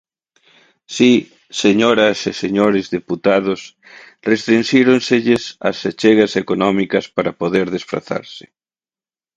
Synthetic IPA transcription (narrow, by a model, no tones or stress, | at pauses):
si | seɲoɾɐseseɲoɾezðeput̪að̞os | rest̪ɾinʃiɾonseʎesɐ̰set͡ʃeɣasekonɔmikɐspaɾapoðeɾðesfɾa̰θa̰ɾsɪ̥